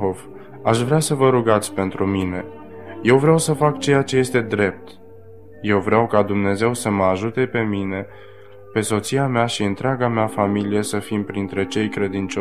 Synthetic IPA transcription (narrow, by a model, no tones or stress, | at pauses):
ov | aʃvɾeasəvəɾuɡat̪sʲpe̞nt̪ɾumine̞ | je̞wvɾeawsəfakt͡ʃe̞jat͡ʃe̞je̞st̪e̞d̪ɾe̞p̚t̪ | je̞wvɾawkad̪umne̞ze̞wsəməaʒut̪e̞pe̞mine̞ | pe̞so̞t̪sijameaʃiɨnt̪ɾeaɡameafamilije̞səfimpɾint̪ɾe̞t͡ʃe̞jkɾe̞d̪int͡ʃo